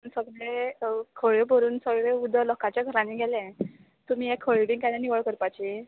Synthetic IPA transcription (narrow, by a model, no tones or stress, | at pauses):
pəɳsəɡɭekʰəɭjəbʱəɾuːnsəɡɭeud̪ʱəlɔkat͡ɕjaɡʱəɾãnːiɡʱɛlɛ̃ | t̪um̤iːekʰːəɭbiŋkaleniʋəɭkəɾpat͡ɕi